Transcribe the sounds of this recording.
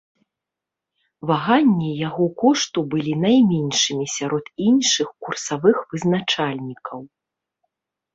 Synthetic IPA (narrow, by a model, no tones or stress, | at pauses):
vaɣanʲːijaɣɔkɔʂt̪ubɨlʲinajmʲɛnʲʂɨmʲisʲaɾɔt̪inʂɨxkursavɨxvɨznat͡ʂalʲnʲikʰɐw